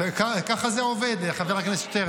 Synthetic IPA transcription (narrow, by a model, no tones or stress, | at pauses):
ekakaχazeoved̪χaveʁaknesjot̪eʁ